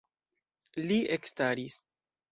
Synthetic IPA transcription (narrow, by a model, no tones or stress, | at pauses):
liekstaɾis